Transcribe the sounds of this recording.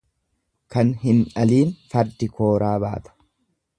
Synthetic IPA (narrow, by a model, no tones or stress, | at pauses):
kɐnɦɪnᶑɐliːnfɐɾd̪ɪkʰo̞ːɾaːba̰ːt̪ɐ̥